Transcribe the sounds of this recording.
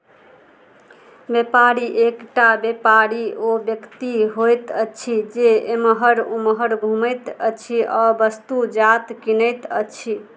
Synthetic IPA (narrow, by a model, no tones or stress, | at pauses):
bepaɾiʔekʈabepaɾiobjəkt̪iɦojt̪ət͡ʃʰid͡ʒeeməɦəɾuməɦəɾbʱumət̪ət͡ʃʰiʔɔbəst̪ud͡ʒat̪kinəjt̪ə̰t͡ʃʰi